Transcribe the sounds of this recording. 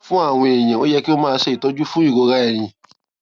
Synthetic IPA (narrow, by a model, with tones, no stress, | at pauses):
fũ˦a˦˨w̃ɔ̃˧e˨j̃ã˨o˨˦jɛ˦ki˦o˦mãː˦˧˦ʃe˧˨i˨tɔ˨˦d͡ʒu˦fũ˦i˦˨ɡo˧ɾa˦ɛ˨j̃ĩ˨